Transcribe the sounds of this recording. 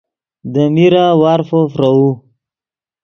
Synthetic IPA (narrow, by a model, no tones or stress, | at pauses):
d̪əmiɾawaɾfofɾau